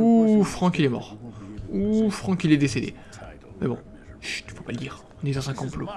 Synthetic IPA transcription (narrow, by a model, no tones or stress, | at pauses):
ufχɑ̃kilɛmɔ̰ʁufχɑ̃kilɛd̪esed̪ḛ | mɛbɔ̰̃ | t̪y̥vopaləd̪iːʁ | ɔ̃nid̪ɑ̃zɛ̃kɔ̃plo